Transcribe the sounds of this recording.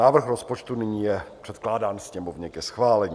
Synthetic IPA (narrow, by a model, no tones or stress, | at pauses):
aːvr̩xɾospo̞t͡ʃt̪unɪɲiːjɛpr̝̥ɛt̪klaːdaːnsɲɛmovɲɛkjɛsxvaːlɛɲiː